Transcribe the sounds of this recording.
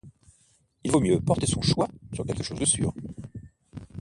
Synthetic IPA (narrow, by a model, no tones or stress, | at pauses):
ilvomjøpɔʁt̪esɔ̃ʃwasyʁkʲɛlkəʃozd̪əsy̰ːʁ